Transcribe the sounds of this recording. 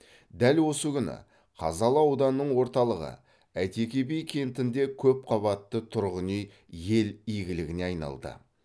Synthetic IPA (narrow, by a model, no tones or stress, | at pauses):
d̪ælwo̞səɡʲkʲʏnɪ̰ | qʰɑ̰zɑlˠɑwd̪ɑnːəɴwo̞ɾt̪ɑlˠəʁə̰ | æjt̪e̞kʲe̞be̞jkʲʰe̞mt̪ɪnd̪e̞kʲʰɵp̚qʰɑβɑt̪ːət̪ʰʊɾʁənej | je̞lijɡʲɪlɪɡʲɪne̞ɑjnɑ̰lˠd̪ə̰